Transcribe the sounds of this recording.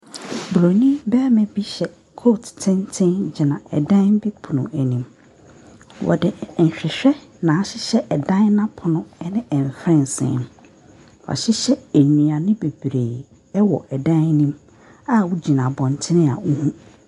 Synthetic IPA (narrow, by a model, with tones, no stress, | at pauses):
blo˨nĩ˦bɛ˦mɛ̃˦bi˦ɕɛ˨ | kʰo˦ttʰɪ̃˦ntʰɪ̃˦nd͡ʑɪ˨nã˨ɛ˨dã˦bi˦pʰʊ˨nʊ̃˨æ˨nĩ˨m | wʔɔ̰˨dɪ˨n̩˨ɕᶣɪ˨ɕᶣɛ˦nã˨˦ɕɪ˦ɕɛ˦ʔɛ˨dã˦nnã˦pʰʊ˨nʊ̃˦ɛ˦nɪ̃˦ɛ̃˨m˨fɾɪ̃˦n˨sɪ̰̃˨nʊ̃˨˦ | wɔ̰˨ɕɪ˦ɕɛ˦æ˨ɲĩ˨a˨nɪ̃˦be˨b̥ɾe˨ | ɛ˦wɔ̰˨ʔɛ˨dã˦nnĩ˦m | a˦wʊ˦d͡ʑi˨nã˨bɔ̃˨n˨tʰɪ˦nɪ̃˦a̰˨wu˦hũ˦